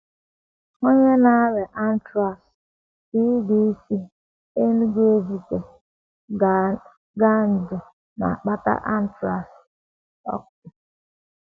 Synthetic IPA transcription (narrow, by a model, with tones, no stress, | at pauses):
o˦ɲe˦na˦a˦ɾe˨ʔa˦n̩˦tɾa˨s | i˦di˦i˦si˦ | e˦nu˦ɡe˦zi˦te˨ | ɡa˦n̩˨dʊ˨ | na̰˨a˨k͡pa˦ta̰˦ʔa˦n̩˦tɾa˨s | ɔ̰˦kʊ˨